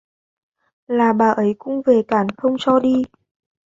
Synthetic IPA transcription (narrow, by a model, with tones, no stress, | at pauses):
laː˨˩ɓaː˨˩ʔə˨˦jkʊ̰˧˥ŋ͡mve˨˩kaː˧˩nxə˧wŋ͡mt͡ɕɔ˧ɗi˧